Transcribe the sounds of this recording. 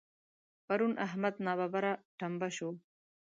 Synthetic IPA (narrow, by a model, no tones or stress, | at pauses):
paɾunʔaɦmad̪nɑːβabaɾaʈambaʃo